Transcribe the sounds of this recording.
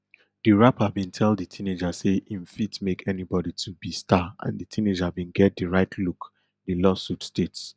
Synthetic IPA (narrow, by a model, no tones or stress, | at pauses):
d̥iɹapavbĩntʰɛlditʰĩned͡ʒaseʔĩnfitmekʰɛnibɔditʰubistʰaã̰nditʰĩned͡ʒaavbĩnɡɛt̚diɹaɪtʰluk | dilɔsutstets